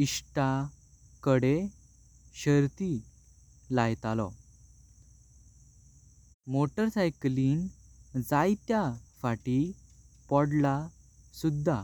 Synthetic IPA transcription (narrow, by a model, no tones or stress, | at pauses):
isʈa | kəɽe | ɕəɾt̪i | lajt̪alɔ̰ | moʈəɾsajkliːnd͡zajt̪jafaʈipɔɽla | sud̪ʱːa̰